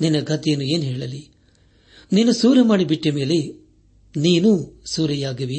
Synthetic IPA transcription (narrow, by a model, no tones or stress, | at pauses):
ninːɐɡɐt̪ɛjɐnːue̞ːnɦɛːɭɐli | niːnusuːɾɐmaːɽibiʈːɐme̞ːle | niːnusuːɾɐjaːɡɐʋi